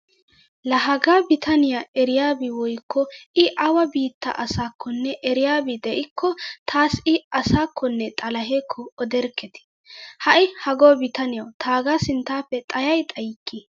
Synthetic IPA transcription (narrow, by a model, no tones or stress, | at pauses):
lɐɦɐɡaːbɪt̪ʰɐnɪjaɛɾɪjaːbɪwɔjkʰːɔʔɪʔɐwɐbiːt̪ːɐ̰ʔɐsaːkʰːɔnːɛʔɛɾɪjaːbɪd̪ɛʔɪkʰːɔt̪ʰaːsɪɐsaːkʰːɔnːɛt̪ʼɐlɐɦeːkʰːɔɔd̪ɛɾkːɛt̪ɪ̥ | hɐʔɪhɐɡoːbɪt̪ɐnɪjɐwt̪ʰaːɡaːsɪnt̪ːaːpːɛt̪ʼɐjɐjt̪ʼɐjɪkʰːi